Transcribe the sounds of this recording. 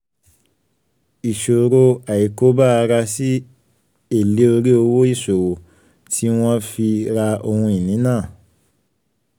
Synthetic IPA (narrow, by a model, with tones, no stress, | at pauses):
i˨ʃo˨ɾo˧a˨i˨ko˦ba˦˨˧ɾa˧si˦ | e˦˨le˨˦o˧ɾi˦o˧wo˦i˦˨so˨wo˨ | tʰi˦w̃ɔ̃˦fi˧ɾa˧o˧hũ˧i˨nĩ˨˦nãː˦˨